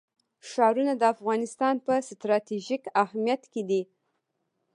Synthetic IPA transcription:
ʃɑɾunad̪əafɣɑnɪst̪ɑnpəst̪ɾɑt̪iʒikahmijat̪ked̪i

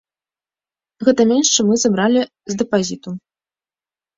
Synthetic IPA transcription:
ɣɛt̪ɐmʲenʂt͡ʂɨmːɨzabɾalʲi | zd̪ɛpazʲit̪u

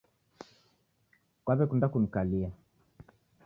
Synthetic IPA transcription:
kwaβɛkundakun̩kalia

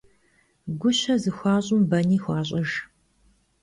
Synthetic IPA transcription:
ɡʷʊɕɐzɨxʷɑːɕʼʊmbɐniːxʷɑːɕ̬ʼɐʒ

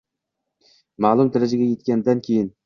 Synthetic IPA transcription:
maːlˠumd̪aɾad͡ʒaɡʲajet̪̚kʲand̪ankʲʰejɪn

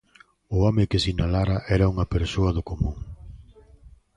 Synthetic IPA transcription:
ʊɔmɪkɪsinalaɾɐʔɛɾɐuŋɐpeɾsoɐðʊkomũŋ

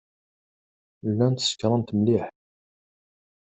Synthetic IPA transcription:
lːænt̪ə̥sə̥kɾˤɑnt̪əmliħ

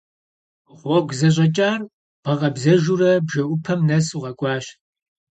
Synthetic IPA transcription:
ʁʷɔɡʷzɐɕ̬ʼɐt͡ʃʼaːr | b̥ɐʁɐbzɐʒurɐbʒɐʔʷʊpʰɐmnɐsuʁɐkʷʼɑːɕ

